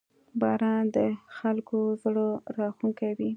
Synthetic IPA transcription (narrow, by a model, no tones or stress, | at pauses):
bɑɾɑnd̪əxalkozɽoɾɑxuŋkawi